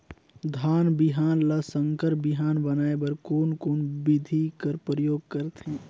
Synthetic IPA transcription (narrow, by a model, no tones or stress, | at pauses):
d̪ʱaːnbɪɦaːnləsə̃ŋkəɾbɪɦaːnbənaːebəɾkoːnkoːnbɪd̪ʱikəɾpɾəjoːɡ̚kəɾt̪ɦɛ̃ː